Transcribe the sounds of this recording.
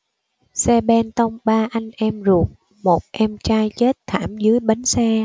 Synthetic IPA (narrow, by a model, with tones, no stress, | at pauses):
sɛ˧ɓɛ˧nt̪ə˧wŋ͡mɓaː˧ʔa˧jŋ̟ʔɛ˧mzu˨˩ək̚ | mo˨˩t̚ʔɛ˧mt͡ɕaː˧jt͡ɕe˦˥t̚t̪ʰaː˧˩mzɨ˨˦əjɓa˨˦ŋ̟sɛ˧